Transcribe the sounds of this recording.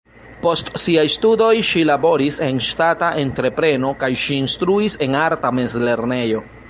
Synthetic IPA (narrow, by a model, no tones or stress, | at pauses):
po̞stsiajstudo̞jʃilabo̞ɾise̞nʃtataʔe̞ntɾe̞pɾe̞no̞kajʃiːnstɾuise̞naɾtame̞zle̞ɾne̞jo̞